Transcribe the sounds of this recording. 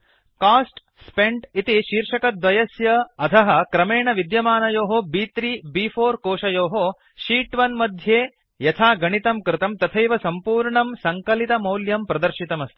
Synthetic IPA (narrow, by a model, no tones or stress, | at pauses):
kaːsʈ | speɳʈit̪iʃiːɾʂɐkɐd̪ʋɐjɐsjɐɐt̪ʰɐɦɐ̆kɾɐmeːɳɐʋid̪jɐmaːnɐjoːɦobiːt̪ɾiːbiːpʰoːɾkoːʂɐjoːɦo | ʃiːʈʋɐnmɐd̪ʱjeː | jɐt̪ʰaːɡɐɳit̪ɐmkɾɪt̪ɐmt̪ɐt̪ʰɐjʋɐsɐmpuːɾɳɐmsɐŋkɐlit̪ɐmɐwljɐmpɾɐd̪ɐɾʃit̪ɐmɐst̪ʰi̥